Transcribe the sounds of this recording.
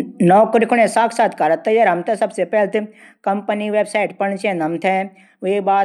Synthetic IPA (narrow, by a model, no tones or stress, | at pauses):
nɔːkʊɾɪkʰʊɽẽsaːkʰsaːt̪ʰkɐɾət̪ːɐjɐɾɦɐmt̪ʰesɐbsepɛːlt̪ɨ | kɐmpəniʋeːbsaːɪʈpɐɳt͡ʃẽnɐmt̪ʰɛ | ebaː